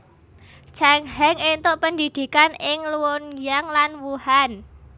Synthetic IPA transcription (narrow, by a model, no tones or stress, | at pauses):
t͡ʃaŋhɛŋent̪oʔpənd̪id̪̥i̤kanɪŋluwɔnjaŋlanwuhan